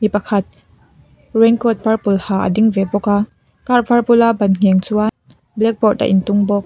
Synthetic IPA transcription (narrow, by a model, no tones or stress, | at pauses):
mipɐkʰɐt̪̚ | rɛŋkɔt̪̚pɐrpulhaːʔɐ̰diŋvɛbɔkaː | karvarpʊlabɐnŋ̥ɛŋt͡sua | blɛk̚bɔta̰ʔɪnt̪ʊŋbɔk̚